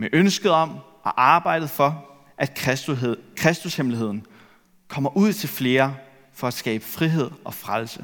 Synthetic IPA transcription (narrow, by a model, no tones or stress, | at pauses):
meʔønsɡ̥əð̞ˠɒ̽m̰ | ʔɒ̽ʔɑ̈ːb̥ɑ̈ɪ̰d̥ð̩ˠfɒ̽ | ʔæd̥ | kʰʁɛsd̥ushemliɦe̝ð̰ˠn̩ | kʰɒ̽m̰ɐʔuð̞̰ˠt͡sʰe̝lfle̝ːɐ | fɒ̽æ̥sɡ̥ɛ̰ːb̥ə̥fʁiɦe̝ð̞̰ˠɒ̽fʁalsə